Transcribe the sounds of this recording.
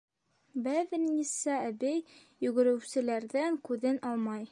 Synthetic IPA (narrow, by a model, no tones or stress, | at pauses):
bæðɘ̆nnisææbɘjː | ɵ̆ɡɘ̆ɾɘ̆wsɘ̆læɾðæŋkʉðɘnʔɑlˠmɑj